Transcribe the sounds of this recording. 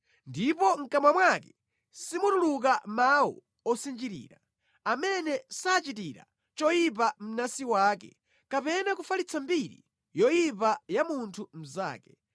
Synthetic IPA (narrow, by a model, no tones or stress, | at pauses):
ndipɔŋ̩kamwamwakɛ | simutuluk̬amawɔ̰ | ɔsind͡ʒiɾḭːɾa | amɛnɛsaːt͡ʃitiɾa̰ | t͡ʃɔjip̬am̩nasiwaːkɛ̰ | kapɛnakufalit͡sʰambiɾḭ | jɔjip̬ajamuntʰum̩za̰ːkɛ̥